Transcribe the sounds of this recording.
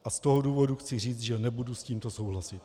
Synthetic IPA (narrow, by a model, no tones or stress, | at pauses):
ʔast̪o̞ɦoduːvo̞duxt͡sɪr̝iːt͡st̪ʒɛnɛbudusciːmt̪o̞sowɦlasɪt̪